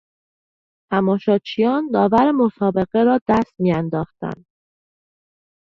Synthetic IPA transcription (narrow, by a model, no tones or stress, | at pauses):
t̪ʰæmɒːʃɒːt͡ʃʰijɒːnd̪ɒːvæɾemo̞sɒːbe̞ɣe̞ɾɒːd̪̥æst̪miːænd̪ɒːxt̪æ̰nd̪̥